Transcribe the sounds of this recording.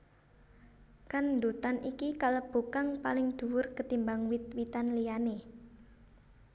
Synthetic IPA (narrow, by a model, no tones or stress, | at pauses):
kand̪ut̪anʔikikaləb̥ṳkaŋpalɪŋd̪̥ṳwʊrkət̪imbaŋwit̪̚wit̪anlijane